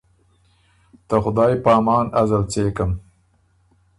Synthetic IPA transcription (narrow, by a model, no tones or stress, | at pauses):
t̪əxʊd̪ɑːjpɑːmɑːnazalt͡seːkəm